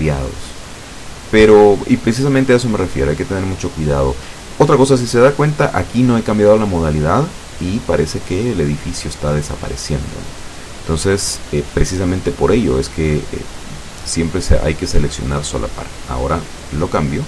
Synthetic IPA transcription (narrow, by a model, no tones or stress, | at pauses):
ja̰ðo̰s | pe̞ɾoipɾe̞s̬is̬amẽnt̪eae̞s̬o̞me̞refje̞ɾajket̪e̞ne̞ɾmut͡ʃo̞kwiðað̞o̞̰ | o̞t̪ɾako̞s̬as̬ise̞ðakwe̞nt̪aʔakino̞e̞kambjaðolamo̞ð̞aliðað | ipaɾʔe̞se̞ke̞ːle̞ðifisjo̞est̪að̞esa̰pa̰ɾe̞sje̞nd̪o̞̰no | ent̪o̞nse̞sepɾe̞sis̬ament̪e̞po̞ɾe̞ʝo̞̰e̞ske̞ḛ | sje̞mpɾesḛʔa̰jke̞se̞le̞ksjo̞̰naɾso̞̰lʔa̰pa̰ɾ | a̰o̞̰ɾa | lo̞kambjo